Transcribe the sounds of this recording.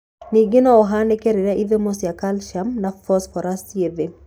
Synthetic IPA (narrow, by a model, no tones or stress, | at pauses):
niɡɪnɔɔɦanekeɾɪɾaʔiðemosjakalʃamnafɔsfɔɾastjeðe